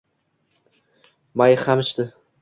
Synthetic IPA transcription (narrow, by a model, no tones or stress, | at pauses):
majχamɪʃt̪ɪ